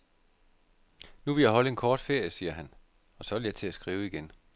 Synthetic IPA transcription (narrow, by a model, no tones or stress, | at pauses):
nuʋe̝ljɑɦɒ̽ləe̝nkʰɒːd̥fe̝ɐ̰jəsiːɐɦæn | ɒ̽sɒ̽ʋeljɑ̈ɪt͡sʰe̝æsɡ̥ʁiːʊiɡ̥en